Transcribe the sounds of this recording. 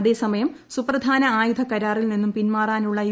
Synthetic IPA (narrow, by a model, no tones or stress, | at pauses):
ɐðe̞ːsɐmɐjɐm | suprɐd̪ʱaːnɐaːjud̪ʱɐkɐɾaːrilninːumpinmaːraːnuɭːɐi